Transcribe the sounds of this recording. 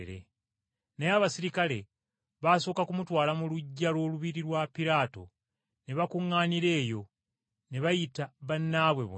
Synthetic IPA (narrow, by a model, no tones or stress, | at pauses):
ɾḛ | nejaβasiɾikale̞ | βaːso̞ːkakumutwaːlamuluɟːalwo̞ːluβiɾiɾwapiɾaːto̞̰ | neβakuŋːaːniɾe̞ːjo̞ | neβajitaβanːaβwe̞βṵ